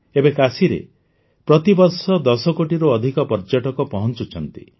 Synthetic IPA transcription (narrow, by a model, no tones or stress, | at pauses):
ebekasiɾḛ | pɾɔt̪ibɔɾsɔd̪ɔsɔkoʈiɾoːd̪ʱikɔpɔɾd͡ʒaʈɔkɔpɔɦɔnt͡ʃut͡ʃʰɔnt̪ḭ